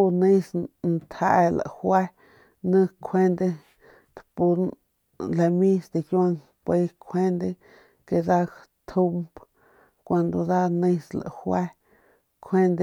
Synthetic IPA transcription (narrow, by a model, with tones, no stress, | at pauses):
u˧nĩ˦snt̪ʰa˧la̰˨hwa˦ | nə̃˦˧kʰwe˦nd̪e˧ | t̪pu˧ | le˧mĩ˦sd̪i˧kja˧ŋ | pe˧kʰwe˦nd̪e˧ | ke˧d̪a˦˧k | t̪ʰu˧mp | kʷa˧nd̪o˧d̪a˦nĩ˧sla̰˨hwa˦ | kʰʷe˦nd̪e˧